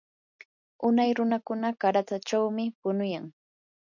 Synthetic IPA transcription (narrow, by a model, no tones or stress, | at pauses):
ʊnajɾʊnakʊnakaɾat͡s̪at͡ʃawmɪpʊnʊjaŋ